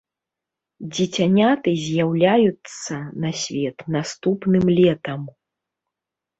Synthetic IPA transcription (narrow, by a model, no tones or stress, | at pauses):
d͡zʲit͡sʲanʲat̪ɨzʲjawlʲajut̪sːɐnasʲvʲɛt̪nast̪upnɨmlʲɛt̪ɐm